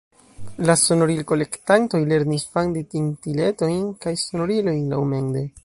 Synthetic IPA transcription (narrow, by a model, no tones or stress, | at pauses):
laso̞no̞ɾilko̞le̞ktanto̞jle̞ɾnisfandetintile̞to̞jnkajso̞no̞ɾilo̞jnlawme̞nde̞